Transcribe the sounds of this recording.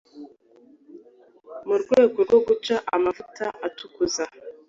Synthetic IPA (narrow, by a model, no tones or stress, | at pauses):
muɾɡwe̞ːɡoɾɡo̞ɡut͡ʃaʔamavutaʔatukuza